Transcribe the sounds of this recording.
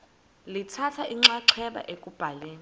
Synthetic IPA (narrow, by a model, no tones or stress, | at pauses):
litʰatʰaiŋ͡ǁaǀʰɛɓa̰ʔekʼub̥ʱaleːni